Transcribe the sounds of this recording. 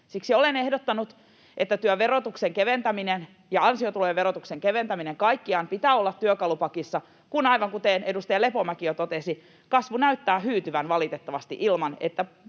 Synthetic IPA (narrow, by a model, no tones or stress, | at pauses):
siksiolenehdot̪ːɑnut̪ | ʔet̪ːæt̪yøʋerot̪ukseŋkeʋent̪æminen | jɑɑnsiot̪uloeʋʋeɾot̪ukseŋkeʋent̪æmineŋkɑikːiɑːmpit̪æːolːɑt̪tyøkɑlupɑkisːɑ | kunɑiʋɑŋkut̪enedust̪ɑɑlepomækijot̪ot̪esi | kɑsʋunæyt̪ːæːhyːt̪yʋænʋɑlit̪et̪ːɑʋɑst̪ḭʔilmɑnet̪ːæ